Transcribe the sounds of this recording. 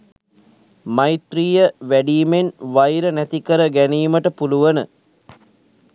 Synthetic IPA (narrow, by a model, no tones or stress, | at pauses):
majit̪riːjəʋæɖiːmenʋajɾənæt̪ikəɾəɡæniːməʈəpuluʋənə